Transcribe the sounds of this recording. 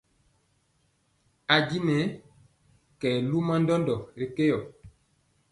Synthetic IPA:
a˨ɟi˦nɛ˨˦ | kɛː˨lu˦ma˦ndɔ˦ndɔ˨ɾi˨ke˦jɔ˨

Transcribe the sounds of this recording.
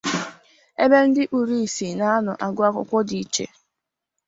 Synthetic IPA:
e˦be˦n̩˦dɪ˦ʔu˨ɾi˦i˨si˨na˦a˦nʊ˨ʔa˨ɡʊ˦a˦kʊ̰˦kʷɔ˦di˨t͡ʃḛ˨

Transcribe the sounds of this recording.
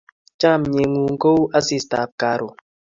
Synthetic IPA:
t͡ʃa˦˨m˨ɲe˨ŋu˨ŋ̩˦ko˦wa˦si˦˨sta˨p̚ka˨ɾo˨

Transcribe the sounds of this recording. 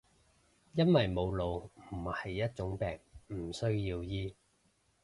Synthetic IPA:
jɐ˥nwɐ˨jmo˨˧wlo˨wm̩˨˩hɐ˨jːɐ˥t̚t͡ʃʊ˨˥ŋpɛː˨˩ŋm̩˨˩sɵ˥ɥjiː˧wjiː˥

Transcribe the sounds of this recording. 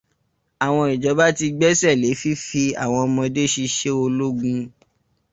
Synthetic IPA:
a˨w̃ɔ̃˧i˨d͡ʒɔ˨˦ba˦ti˧ɡ͡bɛ˦sɛ˦˨le˨˦fi˦fi˧a̰˨w̃ɔ̃˧mɔ̃˧de˦ʃi˧ʃe˦o˧lo˦ɡũ˧

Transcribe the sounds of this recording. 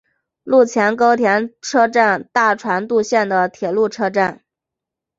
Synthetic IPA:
lu˥˩t͡ɕʰjɛ˧˥nko˥ʊt̪ʰjɛ˧˥nʈ͡ʂʰɤ˥ʈ͡ʂa˥˧nt̪a˥˩ʈ͡ʂʰwa˧˥nt̪u˥˧ɕjɛ˥˩nd̪ə˩t̪ʰjɛ˨˩lu˥˩ʈ͡ʂʰɤ˥ʈ͡ʂa˥˩n

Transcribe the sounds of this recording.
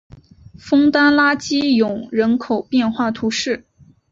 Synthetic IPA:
fɤ˥ŋt̪a˥nla˥t͡ɕi˥jʊ˨˩˦ŋɻə˧˥nkʰo˨˩ʊpjɛ˥˧nxwa˥˩t̪ʰu˧˥ʂɻ̩˥˩

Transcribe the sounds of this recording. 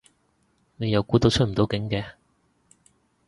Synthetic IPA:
ne˨˧jɐ˨˧wkuː˨˥t̪o˧wt͡ʃʰɵ˥t̚m̩˨˩t̪o˨˥wkɪ˨˥ŋkɛː˧

